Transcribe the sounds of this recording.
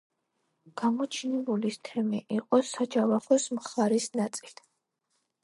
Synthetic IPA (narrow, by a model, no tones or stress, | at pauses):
ɡ̥amɔt͡ʃʰnɛbulist̪ʰɛmiʔiqʼɔsad͡ʒavaχɔsmχaɾisnat̪sʼilt̪ʰ